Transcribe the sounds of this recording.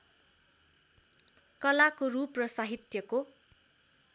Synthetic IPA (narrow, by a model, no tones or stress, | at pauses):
kʌlakoruprʌsaɦit̪jʌko